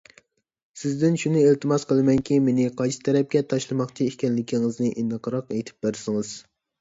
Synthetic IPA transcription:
sɪzd̪ɪnʃunɪelt̪ʰɨmɑsqʰəlˠɨmɛŋkʲimenɪqʰɑjʃʰɪ̥t̪ʰɛɾɛp̚ɡʲɛt̪ʰɑʃlˠɨmɑqt͡ʃʰiekʲɛnlɪkʲʰiŋɪznɪʔinːɨqʰəɾɑqɛjt̪ʰɪ̥p̚beɾsɪŋɨz̥

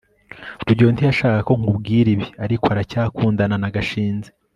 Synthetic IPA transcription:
uɾuɟontiaʃaːkako̞ŋ̥ubɡiːɾiβiaɾikoaɾacaːkuːndananaɡaʃiːnze

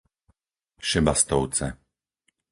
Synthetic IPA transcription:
ʃɛbast̪ɔʊt͡sɛ̰

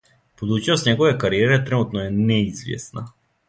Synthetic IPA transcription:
pod̪ut͡ʃnɔst̪ɲɛɡovɛkaɾiɛɾɛt̪ɾɛnut̪nɔɛnɛizvɛ̰sna

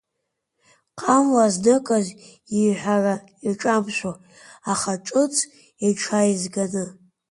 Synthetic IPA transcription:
qʼamlaznɨkʼaz | iħʷara | iʈ͡ʂʼamʃʷo | aχaʈ͡ʂʼɨt͡sʼʰ | iʈ͡ʂʰajizɡanɨ

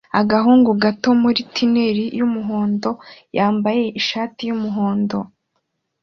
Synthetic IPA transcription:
aɡaɦuːŋɡuɡato̞muɾitʰine̞ɾijumuɦo̞ːndo̞jaːmbaje̞ʔiʃaːtijumuɦoːndo̞

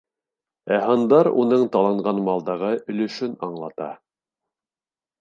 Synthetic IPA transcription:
æɦɤnd̪ɑɾunɤɴt̪ɑlˠɑɴɢɑnmɑlˠd̪ɑʁɤʔɵ̆lɵ̆ʃɵnɑɴlˠɑt̪ɑ̰

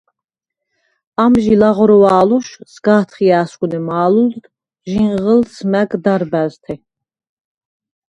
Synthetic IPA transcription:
amʒilaʁɾɔwaːluʃsɡaːt̪ʰχiaːskʼunɛmaːlul | ʒiɴʁəlsmæɡd̪aɾbæzt̪ʰɛ

